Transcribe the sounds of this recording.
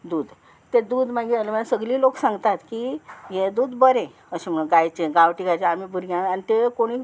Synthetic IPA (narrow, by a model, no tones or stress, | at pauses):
d̪uːd̪ | t̪ed̪uːd̪m̤aɡeəlemənasəɡliːloksãŋɡt̪at̪kijẽd̪uːd̪bəɾẽ | əɕeməɡajt͡ɕeɡaʋʈiɡajt͡ɕeamibʱuɾjãanit̪ekoɽ̃iː